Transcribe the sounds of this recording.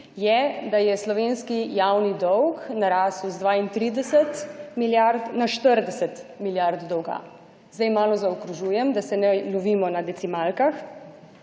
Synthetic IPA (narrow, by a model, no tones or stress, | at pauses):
jɛd̪ajɛslɔʋenskijawnid̪ɔwknaɾaːsuzd̪ʋaːint̪ɾiːd̪ɛsɛt̪miljaɾd̪naʃt̪əɾd̪ɛsɛt̪miljaɾd̪d̪ɔwɡa̰ | zd̪ajmaːlɔzaɔkɾuʒuːjɛmd̪asɛnɛlɔʋiːmɔnad̪ɛt͡s̪imalkax